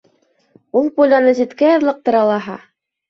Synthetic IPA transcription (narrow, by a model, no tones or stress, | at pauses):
ulˠpulʲɑnɤzit̪kæjɑɾlˠɤq̚t̪ɤ̆ɾɑlˠɑɦɑ̰